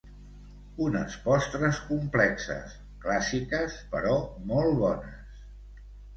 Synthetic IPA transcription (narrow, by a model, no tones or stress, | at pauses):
unə̰spɔst̪ɾəskumplɛksə̰s | klasikəspə̰ɾɔmɔlˠβɔnəs